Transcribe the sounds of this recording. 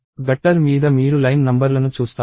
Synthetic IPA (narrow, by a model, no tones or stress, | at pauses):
ɡɐʈːɐɾmiːd̪ɐmiːɾulɐjnnɐmbɐɾlɐnut͡ʃuːst̪a